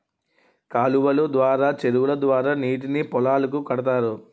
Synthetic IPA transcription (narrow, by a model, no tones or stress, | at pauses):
kaːluʋɐlud̪ʋaːɾaːt͡ʃeɾuwulɐd̪ʋaːɾaːniːʈ̬inipɔlaːlɐk̬ukɐɽɐt̪aːɾu